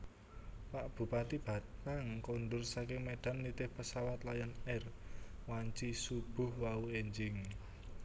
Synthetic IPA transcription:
paʔb̥ṳpat̪ib̥a̤t̪aŋkonɖʊrsakɪŋmeɖ̥a̤nːit̪ɪhpəsawat̪lajanɛrwaɲt͡ʃisub̥ʊ̤hwaueɲd͡ʒɪŋ

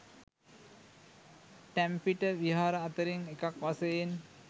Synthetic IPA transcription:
ʈæmpiʈəʋiɦaːɾəːt̪əɾiŋekakʋasəjen

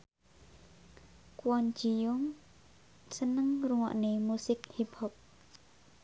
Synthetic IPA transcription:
kwɔnd͡ʒijuŋ | sənəŋruŋɔ̰ʔnemusɪk̚hipʰɔp̚

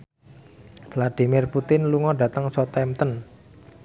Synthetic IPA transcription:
vlad̥imɪrput̪ɪnluŋɔɖ̥ä̤t̪əŋsɔt̪ɛmt̪ən

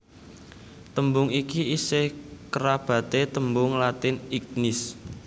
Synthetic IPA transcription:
t̪əmbʊŋikiisekəɾab̥ä̤t̪et̪əmbʊŋlat̪ɪnik̚nɪs

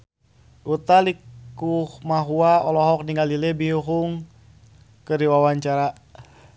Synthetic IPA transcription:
ʔut̪alikuhmaɦuaɔlɔɦɔk̚niŋalilɛbiuɦuŋ | kəɾiwawaɲt͡ʃaɾa

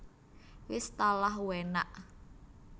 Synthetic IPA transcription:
wɪst̪alaɦuwena̰ʔ

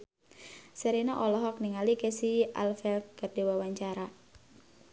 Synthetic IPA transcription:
səɾinaʔɔlɔɦɔk̚niŋalikɛsia̰lfɛlkərdewawaɲt͡ʃaɾa

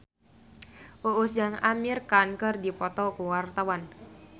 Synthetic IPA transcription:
ʔuʔusd͡ʒaŋamirkankərdipɔt̪ɔkuwart̪awan

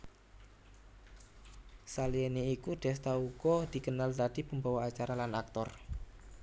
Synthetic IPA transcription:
saliɛneikuɖ̪̥ɛ̤st̪aukɔd̪̥i̤kənalt̪aɖ̥i̤pəmbawaat͡ʃaɾalanak̚t̪ɔr

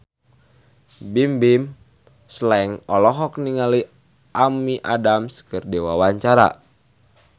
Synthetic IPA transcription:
bimbim | slɛŋɔlɔɦɔk̚niŋali | ʔamiʔa̰damskərdewawaɲt͡ʃaɾa̰

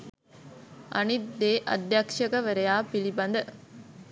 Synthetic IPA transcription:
ʔɐ̰nid̪ːeːʔɐ̰d̪jakʂɐkəʋɐɾejaːpilibɐnd̪ə

